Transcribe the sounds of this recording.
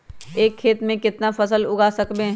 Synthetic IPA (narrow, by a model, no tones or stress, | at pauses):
eːkʰːeːt̪mẽkɪt̪nafɐsəlʊɡaːsɐkbẽ